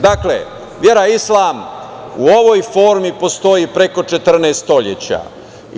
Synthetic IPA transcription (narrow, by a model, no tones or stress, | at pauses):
d̪aklḛ | ʋje̞ɾaislˠaːm | uo̞ʋo̞jfo̞ːɾmipo̞st̪o̞jipɾe̞ko̞t͡ʂe̞t̪r̩neːst̪o̞ʎḛt͡ɕa̰ː